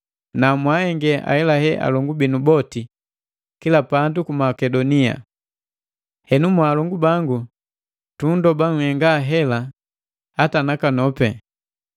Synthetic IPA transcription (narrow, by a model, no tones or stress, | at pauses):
namwahɛŋɡɛʔa̰hɛlahɛʔa̰lɔŋɡubinubɔti | kilapandukumakɛdɔnia̰ | hɛnumwaːlɔŋɡubaŋɡu | tundɔbaŋ̩hɛŋɡaɦɛla | hatanakanɔpɛ